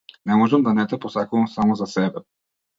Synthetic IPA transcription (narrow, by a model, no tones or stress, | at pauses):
nɛmɔʒəmd̪ɐnɛt̪ɛposakoɐmsamozɐsɛbɛ